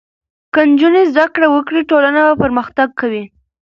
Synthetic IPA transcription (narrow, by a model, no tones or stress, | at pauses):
kənd͡ʒunezd̪akɽawəkɽiʈolanabapəɾməxt̪aɡ̚kawi